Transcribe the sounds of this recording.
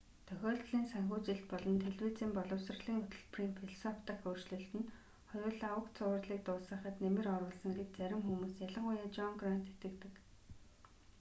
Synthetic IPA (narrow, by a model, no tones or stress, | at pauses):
t̪ʰœxʲɔːɬt̪ɮiːnsaŋxʊːt͡ɕɪ̆ɬt̪̚pɔɮɞ̆nt̪ʰeɮweːt͡siːmpɔɮɞ̆wsə̆rɮiːŋɵt̪ʰɵ̆ɮpriːŋfʰiɮɔsɔpʰt̪ăxɵ̥ːt͡ɕɮɘ̆ɬt̪ɘ̆n | χɔjʊ̆ːɮawə̆kt͡sʰʊ̆ːrɮiːk̚t̪ʊːsə̆χə̆t̪nemɘ̆rɔɾʊ̆ːɮsɞ̆ŋɡet͡ɕt͡sæɾʲɪ̆mxumuːsjaɮə̆ŋɢʊjaːt͡ɕɔŋɡran̥t̪et̪ɡɘ̆kt̪ɘ̆k